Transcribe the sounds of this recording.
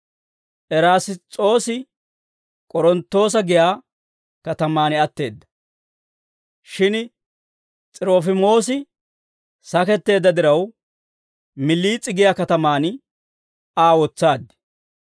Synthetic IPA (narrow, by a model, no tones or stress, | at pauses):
ʔɛɾaːsɪt͡sʼo̞ːsɪ | kʼɔɾɔnt̪ːo̞ːs̬ɐɡɪjaː | kɐt̪ɐmaːnɪɐt̪ːe̞ːd̪ːɐ̥ | ʃɪn | t͡sʼɪɾoːfɪmo̞ːsɪ | sɐkɛt̪ːe̞ːd̪ːɐd̪ɪɾɐw | mɪlːiːt͡sʼːɪɡɪjaːkɐt̪ɐmaːn | aːwɔt͡sːaːd̪ːɪ̥